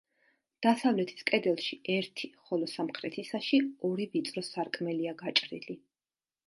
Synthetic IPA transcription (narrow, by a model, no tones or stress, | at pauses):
d̪̥asavlɛt̪ʰi̥skʼɛd̪ɛlˠʃiɛɾt̪ʰiχɔlɔsamχɾɛt̪ʰisaʃiɔɾivit̪sʼɾɔsaɾkʼmɛliaɡat͡ʃʼɾḭli